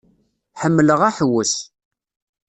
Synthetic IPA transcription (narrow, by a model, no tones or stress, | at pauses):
ħəmːləʁaħəwəʃ